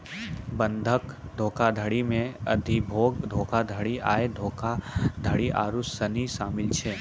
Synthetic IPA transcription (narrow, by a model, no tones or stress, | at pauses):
bə̃nd̪ʱəkd̪ʱoːkad̪ʱəɽimẽə̰d̪ʱibʱoːɡd̪ʱoːkad̪ʱəɽiʔa̰ːed̪ʱoːkad̪ʱəɽiʔa̰ːɾusəniʃaːmɪlt͡ʃʰeː